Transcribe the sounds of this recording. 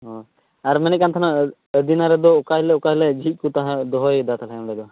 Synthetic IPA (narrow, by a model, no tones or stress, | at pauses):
ɦɔ | aɾmɛnɛkant̪ʰana | d̪inaɾɛd̪ɔːkaɦilɛukaɦlɛd͡ʒʱit̪̚ˀkut̪aɦãd̪ɔɦɔjd̪at̪ʰalʰamɾɛd̪ɔ